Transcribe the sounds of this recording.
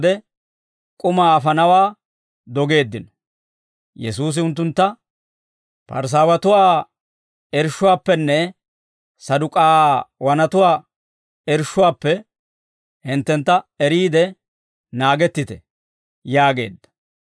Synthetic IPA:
d̪ɛ | kʼʊmaːɐfɐnɐwaː | d̪ɔɡe̞ːd̪ːɪn | jɛsuːs̬ɪʊnt̪ːʊnt̪ːɐ | pɐ̰ɾs̬aːwɐt̪ʊwaː | ɛɾʃːʊwaːpːɛnːɛ | sɐd̪ʊkʼaːwɐnɐt̪ʊwaː | ɛɾʃːʊwaːpːɛ | hɪnt̪ːɛnt̪ːɐɛɾiːd̪ɛ | naːɡɛt̪ːɪt̪ɛ̰ | jaːɡe̞̰ːd̪ːɐ̥

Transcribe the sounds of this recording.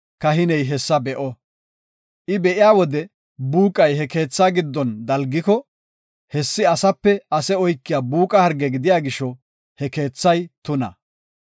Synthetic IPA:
kɐɦɪnɛjɦɛsːɐbɛʔɔ | ʔɪbɛʔɪjaːwɔd̪ɛ | buːkʼːɐjɦɛke̞ːt͡sːaːɡɪd̪ːɔnd̪ɐlɡɪkɔ | hɛsːɪɐsɐpːɛɐsɛɔjkːɪjaːbuːkʼɐhɐɾɡɛɡɪd̪ɪjaːɡɪʃɔ | hɛke̞ːt͡sːɐjt̪ʊnɐ̰

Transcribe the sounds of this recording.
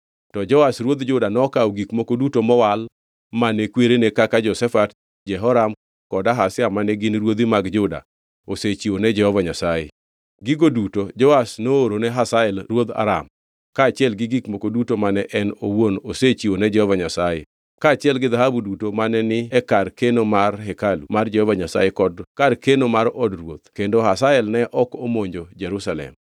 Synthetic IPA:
tɔd͡ʒɔwasɾwod̪d͡ʒʊdanɔkaoɡikmokodutomɔwal | manɛkweɾenekakad͡ʒɔsɛfat | d͡ʒɛɦɔɾam | kɔdaɦasɪamanɛɡɪnɾwod̪imaɡd͡ʒʊda̰ | oset͡ʃionɛd͡ʒɛhɔvaɲasajḛ | ɡɪɡodutod͡ʒɔwasnooɾonɛɦasaɛlɾwod̪a̰ɾa̰m | kaːt͡ʃɪɛlɡɪɡikmokodutomanɛʔɛnowonoset͡ʃionɛd͡ʒɛhɔvaɲasaje | kaːt͡ʃɪɛlɡɪðaɦabudutomanɛnɪɛkarkenomarɦɛkalumard͡ʒɛhɔvaɲasa̰jekɔdkarkenomaɾɔdrwot̪kendoɦasaɛlnɛʔɔkomoɲd͡ʒod͡ʒɛɾusalɛ̰m

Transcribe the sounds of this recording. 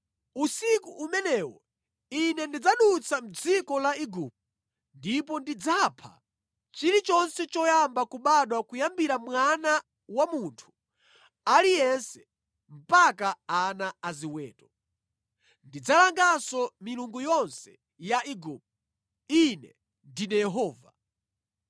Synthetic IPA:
usikuʔːmɛnɛwɔ | inɛndid͡zaɗut͡sʰam̩d͡zikɔlaiɡup̚ | ndipɔndid͡zapʰa̰ | t͡ʃiɾit͡ʃɔnsɛt͡ʃɔjambakuɓaɗwakujambiɾamwana | wamuntʰu̥ | alijɛnsɛ̥ | m̩pakaanaaziwɛ̰ːtɔ | ndid͡zalaŋɡasɔmiluŋɡujɔnsɛ | jaʔiɡup̚ | inɛ | ndinɛjɛɦɔːva

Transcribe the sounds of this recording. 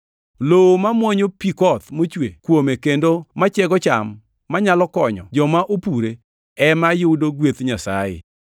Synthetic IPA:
loomamwɔɲopikɔt̪mot͡ʃwekwomekendomat͡ʃɛɡɔt͡ʃamː | aɲalɔkɔɲɔ̰d͡ʒɔmaʔopuɾe | ɛmajʊdoɡwet̪ɲasa̰jɪ̰

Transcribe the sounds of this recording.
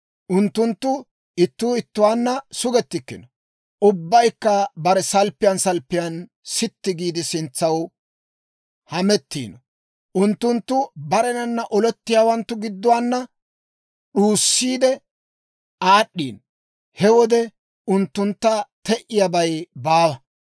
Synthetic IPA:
ʔʊnt̪ːʊnt̪ːʊ | ɪt̪ːuːɪt̪ːʊwaːnːɐsʊɡɛt̪ːɪkːɪnɔ | ʔʊbːɐjkːɐbɐɾɛsɐlpːɪjɐnsɐlpːɪjɐn | sɪt̪ːɪɡiːd̪ɪsɪnt͡sːɐw | hɐmɛt̪ːḭːnɔ | ʔʊnt̪ːʊnt̪ːʊbɐɾɛnɐnːɐʔɔlɛt̪ːɪjaːwɐnt̪ːʊɡɪd̪ːʊwaːnːɐ | ɗuːsːiːd̪ɛ | aːɗːḭːn | hɛwɔd̪ɛ | ʊnt̪ːʊnt̪ːɐt̪ɛʔɪjɐbɐjbaːwɐ

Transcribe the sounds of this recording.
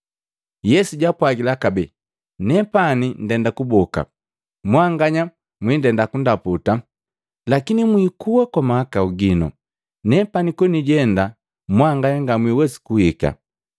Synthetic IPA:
jɛsuɟapwaɡilakabɛ | nɛpanin̩dɛndakubɔka̰ | mwaŋɡaɲa | mwindɛndakundaputa | lakinimwikuwakwamahakauɡinɔ̰ | nɛpanikwɛniɟɛnda | mwaŋɡaɲaŋɡamwiwɛsi̥kuhika̰

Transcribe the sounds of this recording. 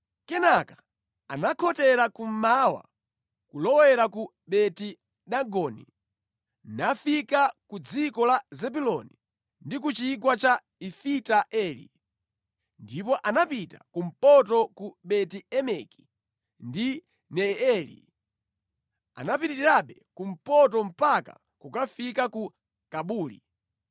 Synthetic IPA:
kɛnakḁ | anakʰɔtɛɾakum̩mawa̰ | kulɔwɛɾaku | ɓɛti | ɗaɡɔnḭ | nafikakud͡zikɔlazɛbulɔni | ndik̬ut͡ʃik̬wat͡ʃa | ifitaʔɛːlḭ | ndipɔʔanapita̰kum̩pɔtɔkuɓɛtiɛmɛki̥ | ndi | nɛɛːlḭ | a̰napitiiɾaɓɛkum̩pɔtɔm̩paka̰ | kukafikaku | kaɓuːlḭ

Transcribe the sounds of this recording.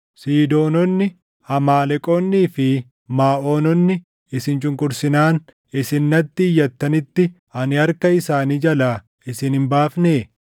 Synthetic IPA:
siːd̪o̞ːnɔnːɪ | ɐmaːlɛkʼonːiːfɪ | maːʔo̞ːnɔnːɪ | ɪsɪnt͡ʃʼʊŋkʼʊɾsɪnaːn | ɪsɪnːɐt̪ːɪːjːɐt̪ːɐnɪt̪ːɪ | ɐnɪɐɾkɐɪsaːniːd͡ʒɐlaː | ɪsɪnhɪmbaːfneː

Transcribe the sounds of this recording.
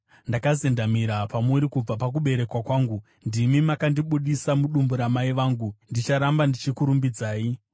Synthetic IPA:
ndakazendamiɾapamuɾikub͡vapak̬uɓe̞ɾe̞kwakwaːŋɡu | ndimimakandiɓuɗisamuɗumbuɾamaiʋaːŋɡundit͡ʃaɾambandit͡ʃikuɾumbid͡zaːi

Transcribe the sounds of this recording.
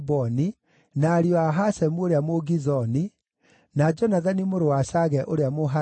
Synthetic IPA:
bɔni | naːɾiɔaɦasɛmuoɾeamoɣizɔni | nad͡ʒɔnaðanimoɾowaʃaɣɛʔoɾeamoɦa

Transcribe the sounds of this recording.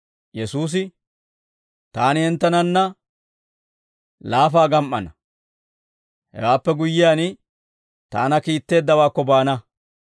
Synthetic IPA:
jɛsuːs̬ɪ | t̪aːnɪhɛnt̪ːɐnɐnːɐ | laːfaːɡɐmʔɐ̰nɐ | hɛ̰waːpːɛɡʊjːɪjaːn | t̪a̰ːnɐkiːt̪ːe̞ːd̪ːɐwaːkːɔbaːnɐ

